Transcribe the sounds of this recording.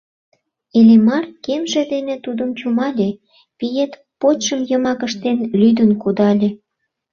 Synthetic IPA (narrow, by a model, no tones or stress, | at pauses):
elʲemɑrkemʒĕd̪enet̪ud̪əmt͡ɕumɑlʲe | pijet̪ | pot͡ɕʃəmjəmɑkə̆ʃt̪enlʲyd̪ənkud̪ɑlʲe